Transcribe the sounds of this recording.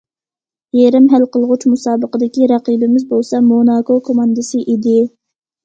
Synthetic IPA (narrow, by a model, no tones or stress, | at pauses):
jeɾɪmɦælqəlˠʁʊt͡ʃmusɑːbəqəd̪ɪkʲiɾæqibɪmɪzbolˠsɑmonɑːkokʰomɑnd̪ɨsɨʔid̪ɪ